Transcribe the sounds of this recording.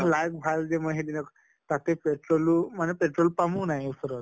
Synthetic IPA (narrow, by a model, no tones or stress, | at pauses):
lajk̚bʱald͡zeməɦed̪inək | t̪at̪epeʈɾolumanepeʈɾolpamuːnajesəɾat̪